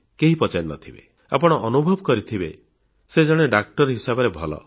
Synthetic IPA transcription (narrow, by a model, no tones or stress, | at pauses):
keɦipɔt͡ʃaɾnɔ̰t̪ʰibḛ | a̰pɔɽ̃ɔʔɔnubʱɔbɔkɔɾit̪ʰibe | sed͡ʒɔɽ̃eɖak̚ʈɔɾɦisabɔɾebʱɔlɔ̰